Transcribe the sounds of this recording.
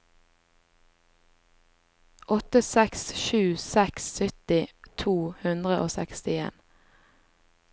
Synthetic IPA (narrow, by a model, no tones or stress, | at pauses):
ʔɔt̪əsɛksʃʉːsɛksːʏt̪ɪt̪ʰuːhʉnd̪ʁəʔoːsɛkst̪ɪḛːn